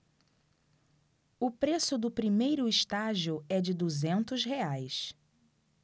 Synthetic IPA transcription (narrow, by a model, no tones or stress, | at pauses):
ʊpɾesʊd̪ʊpɾimejɾʊɪʃt̪aʒiʊɛd͡ʒɪd̪uzẽnt̪ʊsɦeajs